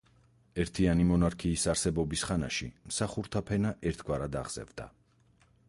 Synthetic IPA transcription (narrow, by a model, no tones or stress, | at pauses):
ɛɾt̪ʰianimɔnaɾkʰiːsaɾsɛbɔbisχana̰ʃimsaχuɾt̪ʰapʰɛnaʔɛɾt̪ʰɡwaɾad̪a̰ʁz̥ɛ̰vd̪̥a̰